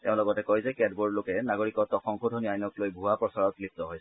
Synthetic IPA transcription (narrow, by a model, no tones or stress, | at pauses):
tɛʊ̃lɔɡɔtɛkɔjzɛkɛdbɔɹdlokɛnaɡoɹikɔtɔkɔŋkʰudʱɔniajnɔklojbʱuapɹɔsaɹɔt̚lip̚tɔɦojs